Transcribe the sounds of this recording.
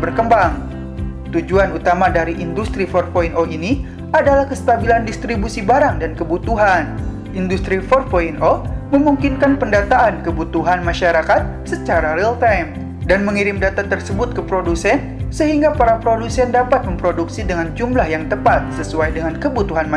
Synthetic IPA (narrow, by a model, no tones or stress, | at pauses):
bərkəmbaŋ | t̪ud͡ʒuanut̪amadaɾiʔindust̪ɾifɔrfoinʔoʔini | ʔadalahkəst̪abilandist̪ɾibusibaɾaŋdankəbut̪uɦan | indust̪ɾifɔrfoinʔoməmuŋkinkanpəndat̪aʔankəbut̪uɦanmaʃaɾakat̪̚ | sət͡ʃaɾaɾilt̪ajm | danməŋiɾɪmdat̪at̪ərsəbʊt̪̚kəpɾodusɛn | səɦiŋɡapaɾapɾodusɛndapat̪̚məmpɾoduksidəŋand͡ʒumlahjaŋt̪əpat̪̚səsuajdəŋankəbut̪uɦanm